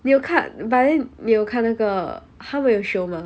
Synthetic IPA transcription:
nijoʊkʰanbanɛnijoʊkʰanaɡə | xaməjoʊʂoʊmɐ

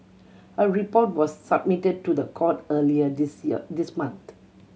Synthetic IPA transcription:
ʔəɹipɔt̚wɔsːab̚mitəd̚tudəkʰɔtəliəsdismãnt̪

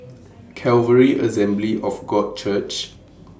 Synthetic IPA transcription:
kʰɛlvəɹiʔə̰sɛ̃mbliʔɔfɡɔd̚t͡ʃʰət͡ʃ

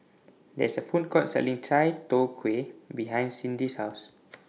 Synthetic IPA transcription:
dɛ̰səfũnkʰɔt̚sɛ̰lĩŋtʰajtokʰwebiɦãjnsĩndishaws

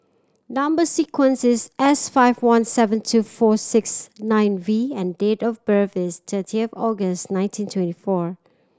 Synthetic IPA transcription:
nʌ̃mbəsikʰwə̃nsɪsɛsfaɪvwãnsɛvə̃ntʰufɔsɪksnãɪ̃nviɛ̃ndetɔvbɜvɪstʰətʰiəfɔɡəstnãɪ̃ntʰĩntʰwɛ̃ntifɔ

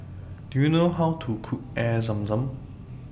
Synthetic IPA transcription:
d̥ujunoɦawtʰukʰuk̚ɛzɐ̃mzə̃m

